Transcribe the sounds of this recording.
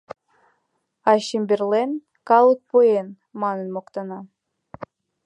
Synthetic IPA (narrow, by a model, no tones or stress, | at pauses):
aʃimbʲerlen | kɑlˠɨk̚poen | mɑnɯnmoqt̪ɑnɑ